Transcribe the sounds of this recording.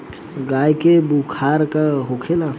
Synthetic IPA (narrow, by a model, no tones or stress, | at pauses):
ɡaːjkebukʰaːɾkaɦokʰela